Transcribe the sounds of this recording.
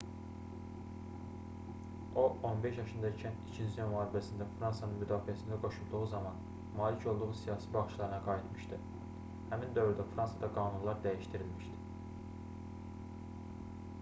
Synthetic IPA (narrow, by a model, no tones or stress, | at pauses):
o̞ʔo̞nbe̞ʃjɑʃɯnd̪ɑt͡ʃʰænit͡ʃʰind͡ʒinmɑːɾibæsind̪æfɾɑnsɑnɯnmyd̪ɑːfiæsind̪æɡo̞ʃulˠd̪uʁuzɑmɑn | mɑːlicʰo̞lˠd̪uʁusijɑːsibɑχt͡ʃlˠɑɾɯnɑɡɑːjit̪mɯ̥ʃt̪i | hæmind̪ø̞vɾyd̪æfɾɑnsɑd̪ɑɡɑːnunlˠɑɾd̪æjiʃt̪iɾilmiʃd̪i̥